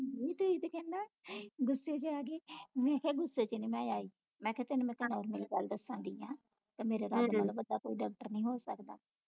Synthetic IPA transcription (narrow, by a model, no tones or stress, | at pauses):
ɦiːt̪oiːt̪ekɛ̃ːnd̪aːɡʊsːeːt͡ʃəaːɡeːmɛ̃ːɦeːɡʊsːeːt͡ʃəniːmɛ̃ːd͡ʒaːiː | mɛ̃ːkɪt̪enːmɛ̃ːkənaːɾmeːliːɡəld̪əsːãːd̪iːãː | k̪emeːɾeːɾaːd̪emət̪ləbəd̪ːaːkoːiɖaːk̚ʈəɾnĩːɦoːsəkd̪a̰ː